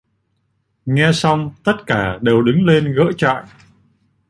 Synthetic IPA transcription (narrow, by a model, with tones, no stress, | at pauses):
ŋɛ˧sa˧wŋ͡mt̪ə˦˥t̚kaː˧˩ɗe˨˩wɗɨ˨˦ŋle˧nɣə̰ː˧˥t͡ɕa̰ː˧˨j